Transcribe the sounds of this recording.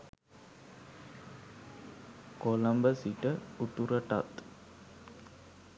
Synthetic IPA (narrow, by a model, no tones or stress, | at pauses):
koləmbəsiʈəut̪uɾəʈa̰t̪